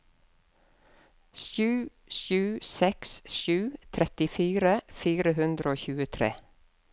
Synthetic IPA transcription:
sʉː | sʉːsɛksʃʉːt̪ʰɾɛt̪ɪfiːɾəfiːɾəhʉnd̪ɾəoːçʉːət̪ʰɾḛː

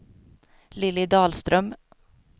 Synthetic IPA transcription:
lɪlːɪd̪ɑːlst̪ɾœm

